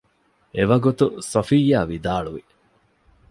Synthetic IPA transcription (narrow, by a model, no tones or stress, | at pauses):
eʋɐɡut̪usɐfijːaːʋid̪aːɭuʋi